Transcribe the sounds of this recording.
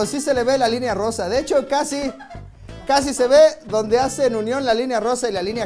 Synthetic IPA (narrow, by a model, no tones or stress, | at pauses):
osise̞le̞βelalinearo̞saðet͡ʃo̞kasi | kas̬ise̞βe̞ðo̞nd̪easeːnunjo̞nlalinearo̞sailalinja